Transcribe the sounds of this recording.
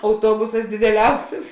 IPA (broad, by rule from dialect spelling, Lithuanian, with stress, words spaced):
ɐʊˈtuɔbʊsɐs dʲɪdʲɛˈlʲɛʊsʲɪs